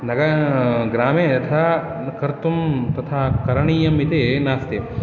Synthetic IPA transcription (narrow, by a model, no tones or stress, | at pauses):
nɐɡɐɡɾaːmeːtɐt̪ʰaː | kɐɾt̪umt̪ɐt̪ʰaːkɐɾɐɳiːjɐmit̪eːnaːst̪e